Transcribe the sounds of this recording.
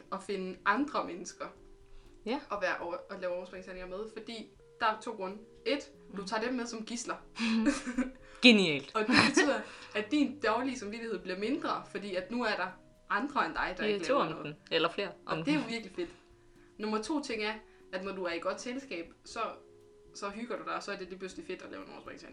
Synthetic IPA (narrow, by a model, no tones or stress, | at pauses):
ɒ̽fe̝nəʔɑ̈nd̥ʁɐmenəsɡ̥ɐ | ʔɒ̽ʋæːɐʔɒɒ̽lɛːʊɒʊsb̥eŋsʰæɐneŋɐmeð̞ˠfɒ̽d̥ḭː | d̥ɑ̈æt͡sʰo̝̰ːɡ̥ʁɔ̽nə | e̝d̥ | d̥ut͡sʰɑ̰̈ːd̥emːeð̞ˠsɒ̽mɡ̥islɐ | ɡ̥eniɛ̰ːld̥ɒ̽d̥e̝be̝t͡sʰy̰ð̰ˠɐædd̥ind̥ɒʊliəsɑ̈mʋid̥ihe̝̰b̥liɐme̝nd̥ʁɐfɒ̽d̥ḭːæd̥nuæɐɾ̥ɑ̈ | ʔɑ̈nd̥ʁɐend̥ɑ̈ɪd̥ɑ̈e̝̥lɛʊnɔ̽ːð̩ˠelɐfle̝ːɐʔɒ̽d̥e̝æjoʋiɐɡ̥life̝d̥ | nɔ̽mɐt͡sʰo̝̰ːt͡sʰe̝ŋ̰æɐ | ʔæd̥nɒd̥uæɐiɡ̥ɒ̽d̥selsɡ̥ɛ̰ːb̥sɒ̽ | sɒ̽ɦyɡ̥ɐɾ̥ud̥ɑ̈ɪɒ̽sɒ̽æɐd̥e̝led̚b̥øsl̥ife̝d̥ɒlɛ̰ːʊenɒ̰ʊsbʁḛŋsʰæ̰neŋ